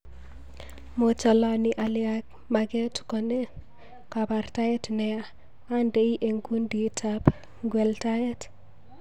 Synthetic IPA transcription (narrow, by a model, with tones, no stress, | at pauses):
mo˨t͡ʃɔ˨la˦niʔa˨lɪak̚ | maɡɛ˦tkɔ˨ne˦ | ka˨ba˨rta˦ɛ˦tnɛa | a˦nde˦i˦ʔe˨ŋku˦ndi˨tʰap | ɡwɛ˨lta˦ɛ˦t